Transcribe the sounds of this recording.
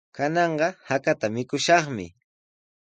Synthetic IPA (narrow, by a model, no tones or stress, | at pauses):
kanɑɴɢɑhakat̪amɪkʊʃɑχmɪ̰